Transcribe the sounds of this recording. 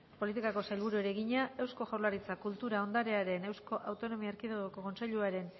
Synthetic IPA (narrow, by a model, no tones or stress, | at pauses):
po̞lit̪ikako̞sajlβ̞uɾueɾe̞ɣiɲae̞wsko̞ʝawlaɾit͡sakult̪uɾao̞nd̪aɾe̞aɾe̞ne̞wsko̞ʔawt̪o̞no̞miaːɾkiðoɣoko̞ko̞nse̞ʎuaɾe̞n